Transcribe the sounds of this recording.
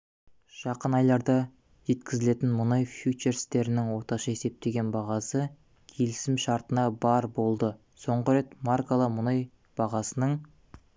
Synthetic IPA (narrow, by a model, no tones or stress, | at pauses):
ʒ̥ɑqənɑjlˠɑɾd̪ɑ | ʒe̞t̪kʲɪzɪle̞t̪ɪnmʊnojfjut͡ʃe̞ɾst̪e̞ɾɪnɪŋwo̞ɾt̪ɑʃɑe̞se̞p̚t̪e̞ɡʲe̞nbɑʁɑsə | kʲʰe̞lɪsɪmʃɑɾt̪ənɑbɑɾbo̞lˠd̪ə | so̞ɴʁəɾe̞t̪markalˠəmʊnoj | b̥ɑʁɑsənəɴ